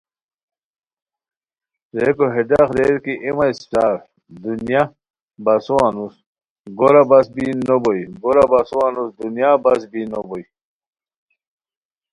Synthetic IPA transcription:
ɾekoɦedaxɾeɾkiʔemajsʈaːf | d̪unja | basuwanus | ɡoɾabasbinobojiɡoɾabasuwanusd̪unjabas̬binoboji

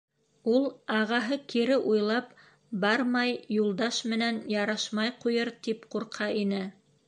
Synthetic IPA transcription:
ulˠɑʁɑɦɤkʰiɾɘʔujlˠɑp | bɑɾmɑjːulˠd̪ɑʃmɘ̆nænjɑɾɑʃmɑjqujɤɾt̪ipquɾqʰɑʔinɘ

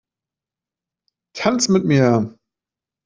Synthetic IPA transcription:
tʰant͡smɪt̚miːɐ

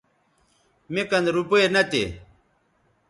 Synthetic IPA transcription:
mekɐnɾupoenɐt̪ḛ

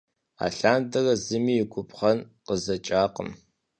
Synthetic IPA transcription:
a̰ːɬaːndɐrɐzɨmiːjɪɡʷʼʊpʰʼχɐnqəzɐt͡ʃʼaːqə̰m

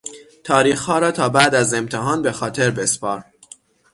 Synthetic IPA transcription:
t̪ʰɒːɾiːxhɒːɾɒːt̪ʰɒːbæʔd̪æze̞mt̪ʰeɦɒːnbe̞xɒːt̪ʰe̞ɾbespɒːɾ

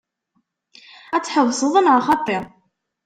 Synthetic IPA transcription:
æt͡sːħəwsˤəðˤənʕaχɑt̪ˤːɪɾˤ

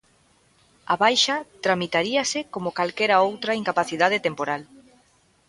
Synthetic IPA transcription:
aβajʃɐt̪ɾamit̪aɾiasɪkomokalkɛɾaowt̪ɾɐiŋkapaθiðað̞et̪empoɾal

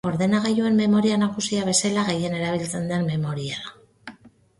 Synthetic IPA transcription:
o̞ɾðe̞naɣajue̞mːe̞mo̞ɾianakusiaβ̞e̞selaɣe̞je̞ne̞ɾaβ̞ilt͡se̞nd̪e̞mme̞mo̞ɾiaa

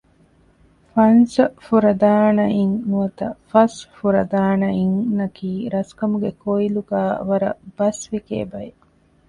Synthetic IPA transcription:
fɐnsɐfuɾɐd̪aːnɐiŋnuɐt̪ɐfɐsfuɾɐd̪aːnɐiŋnɐkiːɾɐskɐmuɡekoiluɡaːʋɐɾɐ̰b̥ɐsʋikḛːbɐe

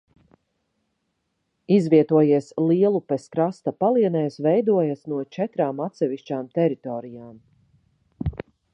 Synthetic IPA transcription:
izviɛt̪uɔjiɛslˠiɛlˠupɛskɾast̪apalˠiɛnɛːjsvɛjd̪uɔjasnuɔt͡ʃɛt̪ɾaːmat̪sɛviʃt͡ʃaːmt̪ɛɾit̪ɔːɾijaːm

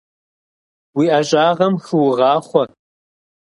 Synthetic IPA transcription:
wiːʔaɕʼaːʁɐmxɨwʊʁɑːχʷɔ

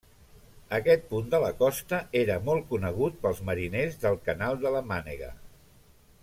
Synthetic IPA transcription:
əkɛt̪̚pund̪ələkɔst̪əeɾəmɔlˠkunəɣ̞ut̪̚pəlˠzməɾinezðəlˠkənalˠd̪ələmanḛɣə̰

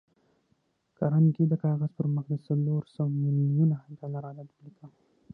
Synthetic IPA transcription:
kaɾanɡid̪əkɑɣazpəɾməxd̪əsaloɾsawmɪljunad̪alaɾalab̪əlika

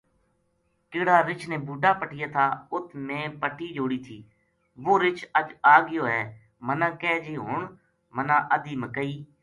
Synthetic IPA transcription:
kɪɽaːɾɪt͡ʃʰnẽːbuːɖaːpəʈɪjaːt̪ʰaːʊt̪ʰmẽːpəʈʰiːd͡ʒoːɽiːt̪ʰiː | ʋoːɾɪt͡ʃəd͡ʒaːɡɪjoːɦɛː | mənãːkɛːd͡ʒeːɦoːɳ | mənãːʔəd̪iːməkəiː

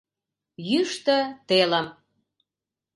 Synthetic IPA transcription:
jyʃt̪ə̆t̪elə̆m

